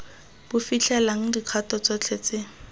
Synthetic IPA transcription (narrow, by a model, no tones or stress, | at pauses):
b̥ʊfit͡ɬʰɛlaŋ̩diq͡χʰatɔt͡sɔt͡ɬʰet͡sɪ